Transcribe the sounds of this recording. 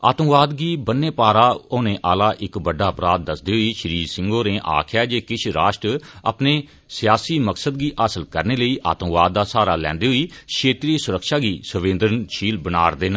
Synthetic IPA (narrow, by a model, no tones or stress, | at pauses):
a̰ːt̪ə̃mʋaːd̪ɡiːbənːeːpaːɾaːoːneːʔaːlaːʔɪkbəɖːaːəpɾaːt̪̚ːəsd̪iːɦoiːʃəɾiːɾsɪ̃ŋɡoːneːʔa̰ːkʰɪjaːd͡ʒeːkɪt͡ʃʰɾaːʃʈɾa̰pneː | sɪjaːsiːməksəd̪̚ɡiːʔaːsəlkəɾneːləiːʔa̰ːt̪əmʋaːd̪̚ːaːsaːɾaːlɛ̰̃ːnd̪eːɦʊiːkʰʃeːt̪ɾiesʊɾəkʃaːɡiːsəʋẽːnd̪əɾənʃiːlbənaːɾd̪eːnə